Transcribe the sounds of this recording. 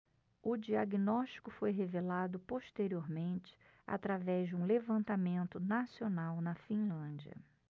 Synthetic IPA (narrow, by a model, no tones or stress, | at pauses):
ʊd͡ʒiaɡinɔʃt͡ʃi̥kʊfojɦevelad̪ʊpoʃt̪eɾioɾmẽnt͡ʃɪ̥ | a̰t̪ɾavɛʒd͡ʒɪũlevɐ̃nt̪amẽnt̪ʊnasionawnɐfĩlɐ̃d͡ʒiɐ̰